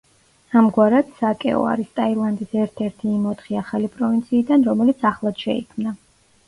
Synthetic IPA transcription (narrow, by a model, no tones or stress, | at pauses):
amɡwaɾad̪̥sakʼɛ̰ɔ̰a̰ɾist̪ʼailˠand̪isɛɾt̪ʰɛɾt̪ʰiːmɔt̪χiaχalipʼɾɔvint̪sʰiːd̪anɾɔmɛlit̪sʰaχlˠad̪̥ʃɛ̰ḭkʰmna